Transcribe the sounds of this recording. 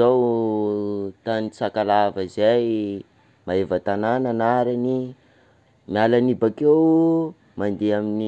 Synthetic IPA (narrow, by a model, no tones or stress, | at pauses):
aw | t̪anit͡sakalavəzaj | maevət̪anananaɾani | mialanibakew | mand̪eamini